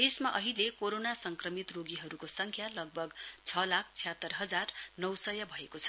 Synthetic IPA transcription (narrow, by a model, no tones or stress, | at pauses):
d̪esmaʔʌɦilekoɾonasʌŋkrʌmit̪roɡiɦʌɾukosʌŋkʰjalʌɡ̚bʱʌɡt͡sʰʌlakʰt͡sʰijat̪ːʌrɦʌd͡zarnʌwsʌjʌbʱʌekot͡sʰʌ̥